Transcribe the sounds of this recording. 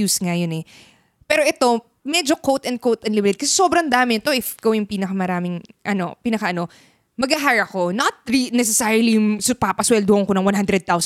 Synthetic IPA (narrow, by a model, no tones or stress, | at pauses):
uːsŋajonɛ | pɛːɾoʔɛt̪o̞ | mɛd͡ʒo̞kowt̪ɐn̚kowt̪ɐnlɪmɪt̪ɛd̪̚kɐsɛso̞ːbɾɐnd̪aːmɪt̪oʔɪfkowjʊŋpiːnɐkɐmɐɾaːmɪŋʔɐno̞̰piːnɐkɐʔɐno̞ | mɐɡɐɦaɹɐko̞nɐt̪̚ɹinɛsɛsaɹʊlijʊŋsʊpapɐswɛld̪oʔɐŋkonɐŋwɐ̃nhand̪ɾɛd̪̚t̪aws